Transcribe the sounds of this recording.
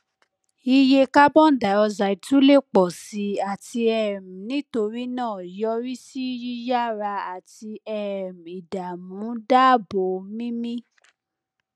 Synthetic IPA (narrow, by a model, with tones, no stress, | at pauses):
i˧je˧ka˦bɔ̃˦n̩˨da˨˦ɔ˧za˨i˨tũ˦le˦˨k͡pɔ˨si˧˦a˨ti˧ɛ˦˨m̩̃˨nĩ˨˦to˧ɾi˦nãː˦˨jɔ˧˦ɾi˦si˦ji˦ja˦ɾa˧a˨ti˧ɛ˦˨m̩̃˨i˨da˨mũ˨˦da˦˨bo˨˦mĩ˦mĩ˦